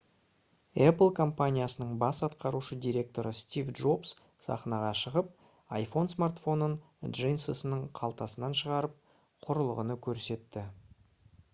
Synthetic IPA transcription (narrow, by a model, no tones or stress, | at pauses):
ɛpəlˠkʰo̞mpanʲijasənəɴbɑsɑt̪qɑɾuʃəd̪ijɾʲe̞k̚t̪o̞ɾəst̪ʲivdʒo̞bs | sɑ̰χnɑʁɑʃəʁəp̚ | ɑjfo̞nsmart̪fo̞nən | dʒijnsəsənəɴqʰɑlˠt̪ɑsənɑnʃəʁɑɾəp̚ | qʰʊɾəlˠəʁənəkʲʰɵɾse̞t̪ːɪ